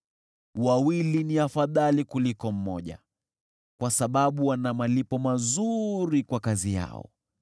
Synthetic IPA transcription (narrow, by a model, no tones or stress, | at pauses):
wawiliniafaðalikulikɔm̩mɔʄa̰ | kwasaɓaɓuwanamalipɔmazuɾikwakazija̰ɔ̰